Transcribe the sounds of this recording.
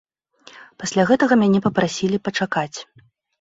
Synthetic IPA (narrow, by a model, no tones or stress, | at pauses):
pasʲlʲaɣɛt̪ɐɣɐmʲanʲɛpɐpɾasʲilʲipɐt͡ʂakat͡sʲ